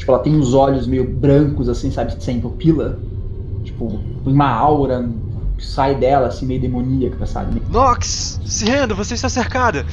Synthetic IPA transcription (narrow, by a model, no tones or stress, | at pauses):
t͡ʃi̥pʊɛlɐt̪ẽj̃ʊ̃zɔʎʊzmejʊbɾɐ̃kʊzasĩsabɪɪ̥sẽj̃pʊpilɐ | t͡ʃi̥pʊ | ẽj̃ũmɐawɾɐ | kɪ̥sajd̪ɛlɐːsĩmejʊd̪emõniɐkɪ̥t̪ɛsa̰bɪmejnɔksːɪɦẽd̪ɐvoseist̪aseɾkad̪ɐ